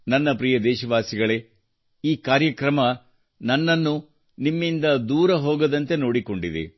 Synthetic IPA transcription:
nɐnːɐpɾijɐd̪ɛːʃɐʋaːsiɡɐɭe̞ | iːkaːɾjɐkɾɐmɐ | nɐnːɐnːu | nimːind̪ɐd̪uːɾɐɦoːɡɐd̪ɐnt̪e̞noːɽiko̞ɳɖid̪ḛ

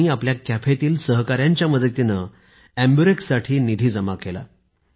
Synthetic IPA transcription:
iːapljakæfʰet̪iːlsəɦkaɾjãɲt͡ɕjaməd̪ʱet̪inə | æmbuɾeksaʈʰiːnid̪ʱiːd͡zəmakela̰

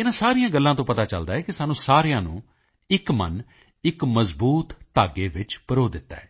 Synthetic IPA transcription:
ɪnãːsaːɾijãːɡəlːãːt̪õːpət̪aːt͡ʃəld̪aːɛːkɪsaːnũːsaːɾejãːnṵ̃ː | ɪkmə̰n | ɪkməzbuːt̪ːaːɡeːʋɪt͡ʃpəɾoːd̪ɪt̪ːa̰ːɛː

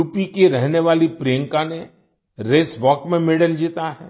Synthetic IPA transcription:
uːpikeɾɛɦneʋaːlipɾijə̃ŋkane | ɾeːsʋɔːkmẽmeːɽəld͡ʒiːt̪aɦɛː

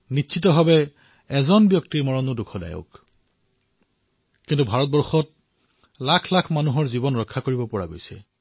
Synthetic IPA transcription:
nitːʃʰit̬ɔɦɔbɛ | ɛzɔnbjɔk̚tiɹmɔɹɔnudukʰɔda̰jo̰k | kintubʱaɹɔt̚bɔɹxɔt̚ | lakʰlakʰmanuɦɔɹzibɔnɹɔkʰːakoɹibɔpɔɹa̰ɡojsɛ̰

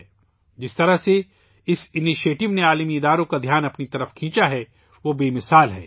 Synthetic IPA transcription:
d͡ʒɪst̪ɐɾaɦse | ɪsɪniʃeːʈɪʋneaːlmiɪd̪aːɾõkad̪ʱjaːnɐpnit̪ɐɾəfkʰĩːt͡ʃaɦɛ | ʋobeːmɪsaːlɦɛ̰ː

